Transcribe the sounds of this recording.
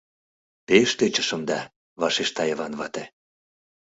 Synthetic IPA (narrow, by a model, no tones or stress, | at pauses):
peʃt̪et͡ɕəʃə̆md̪ɑ | βɑʃeʃt̪ɑjəβɑnβɑt̪ĕ